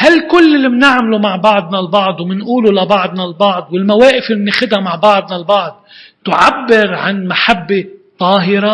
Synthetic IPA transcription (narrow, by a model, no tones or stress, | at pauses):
halkʊlːɪlːimnɪʕmlumaʕbɑʕd̪ˤnalbɑʕd̪ˤwmɪnʔuːlulabɑʕd̪nalbɑʕd̪ˤwɪlmaweːʔɪfɪlːimnɪxɪd̪hamaʕbɑʕd̪nalbɑʕd̪̚ | t̪ʊʕabːɪɾʕa̰nmaħabːet̪ˤɑːɦɪɾa